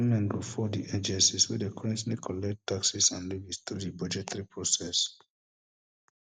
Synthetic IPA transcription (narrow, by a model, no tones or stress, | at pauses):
mɛ̃nɡɹufɔdiʔed͡ʒɛ̃nsiswidekʰɔɹɛ̃ntnekʰɔlɛktːaksisãnlivist̪ɹudibad͡ʒɛtʰɹipɹosɛs